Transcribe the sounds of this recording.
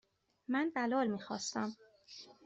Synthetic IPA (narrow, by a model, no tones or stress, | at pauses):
mænbælɒːlmiːxɒ̰ːst̪æm